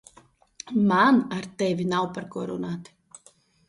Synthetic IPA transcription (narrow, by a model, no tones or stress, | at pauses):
manaɾt̪ɛvʲinawpaɾkɔɾunaːt̪i̥